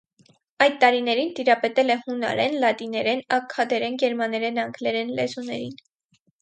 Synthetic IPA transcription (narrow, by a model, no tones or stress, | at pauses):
ɑjt̪ːɑɾinɛɾint̪iɾɑpɛt̪ɛlɛhunɑ̰ɾɛnlɑt̪inɛɾɛnɑkʰːɑd̪ɛɾɛnɡɛɾmɑnɛɾɛnɑŋɡlɛɾɛnlɛzunɛɾin